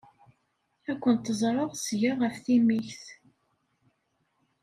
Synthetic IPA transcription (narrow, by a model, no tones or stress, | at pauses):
ækʷːənt̪ːəzˤɾˤəʁsʝəʁəfθimiçθ